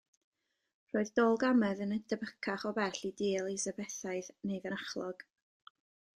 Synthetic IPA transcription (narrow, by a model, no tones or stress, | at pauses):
r̥oːɨðdoːlˠɡamɛðənədʰəbəkʰaχɔbɛrɬidiːlˠisəbɛθaɨðnejðənaχlˠɔɡ̥